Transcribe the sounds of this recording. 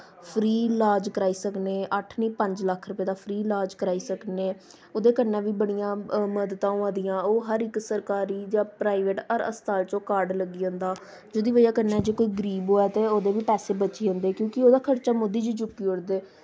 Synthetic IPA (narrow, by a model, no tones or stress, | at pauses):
pʰɾiːlaːd͡ʒkəɾaːiːsəkneːʔəʈʰnĩːpəɲd͡ʒləkʰɾʊpeːd̪aːpʰɾiːlaːd͡ʒkəɾaːiːsəkneː | oːd̪eːkənãːʋiːbəɽ̃ijãːməd̪t̪ãːũãːd̪ɪjãːoːɦəɾɪksəɾkaːɾiːd͡ʒãːpɾaːiʋeːʈəɾə̰st̪aːlt͡ʃõːkaːɾɖləɡiːə̃ːnd̪aː | d͡ʒoːd̪iːʋəjaːkənɛːd͡ʒeːkoːiːɡəɾiːbɦoːɛːt̪eːoːd̪eːʋiːpɛːseːbət͡ʃeːõːnd̪eːkjõːkɪoːd̪aːkʰəɾt͡ʃaːmʊd̪ːiːd͡ʒiːd͡ʒʊkːiːʊɽd̪eː